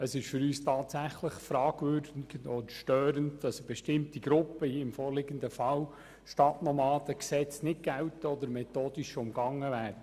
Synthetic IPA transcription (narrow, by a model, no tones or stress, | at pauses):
əsɪʃfʏɾyːstʰɑːtsæχləχfɾɑːɡ̥ʋøɾdɪɡ̥ɔd̪əʃtøːɾəndd̥ɑsb̥ɛʃtɪmtiɡ̥ɾʊpːəɪmfɔːɾlɪɡəndəfɑl | ʃtɑtnɔmɑːdəksɛt͡snɪt̚ɡ̥æwtəɔd̪əɾmɛtoːd̥iʃʊmɡɑŋːəvæːɾə